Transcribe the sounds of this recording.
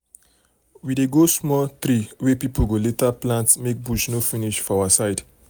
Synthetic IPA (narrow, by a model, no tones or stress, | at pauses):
wideɡosmɔt̪ʰɾiwepipuɡolet̪əplãntsmek̚buʃnofiniʃfɔawəsaɪd